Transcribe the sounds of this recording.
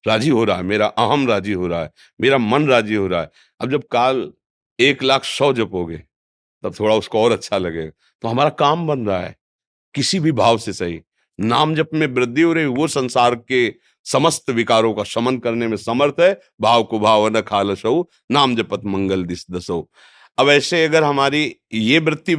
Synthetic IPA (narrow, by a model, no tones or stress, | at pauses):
ɾaːd͡ʒiɦoɾaaɦɛmeːɾaʔɐɦəmɾaːd͡ʒiɦoɾaɦɛ | meːɾamɐnɾaːd͡ʒiɦoːɾaɦɛ | ɐb̚d͡ʒɐb̚kaːl | eːklaːkʰsɔːd͡ʒɐpɦoːɡeː | t̪ɐb̚t̪ʰoːɽaʊskoɔːɾɐtːʃʰalɐɡḛːɡa | t̪oɦɐmaːɾakaːmbɐnɾaa̰ɦɛ̰ː | kɪsibʱibʱaːʋsesɐɦḭ | naːmd͡ʒɐpmẽbɾɪd̪ʱːioːɾɐɦiʋosɐ̃nsaːɾke | sɐməst̪ʋɪkaːɾõkaʃɐmən̚kɐɾnemẽsɐməɾt̪ʰɦɛ | bʱaːʋkobʱaːʋnɐkʰaːləʃɐu | naːmd͡ʒɐpət̪mɐ̃ŋɡəld̪ɪsd̪ɐsoː | ɐbɛːseɐɡəɾɦɐmaːɾijebɾɪt̪ːi